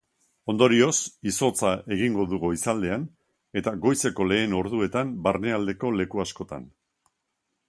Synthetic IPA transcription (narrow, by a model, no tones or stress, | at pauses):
o̞nd̪o̞ɾio̞siso̞t͡sae̞ɣ̞iŋɡo̞ðuɣoisald̪e̞an | e̞t̪aɣo̞jse̞ko̞le̞ːno̞ɾðue̞t̪ambarne̞ald̪e̞ko̞le̞kuasko̞t̪a̰n